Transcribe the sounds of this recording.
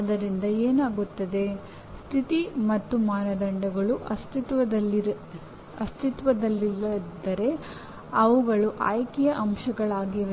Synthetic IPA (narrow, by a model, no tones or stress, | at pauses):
ɐd̪ɐɾind̪ɐeːnaːɡut̪ːɐd̪e̞ | st̪ʰit̪imɐt̪ːumaːnɐd̪ɐɳɖɐɡɐɭuʔɐst̪it̪ʋɐd̪ɐlːiɾ | ɐst̪ʰit̪ʋɐd̪ɐlːiɐd̪ɐɾe̞ | ɐʋuɡɐɭuʔa̰ːjkijɐʔɐmʃɐɡɐɭaːɡiʋ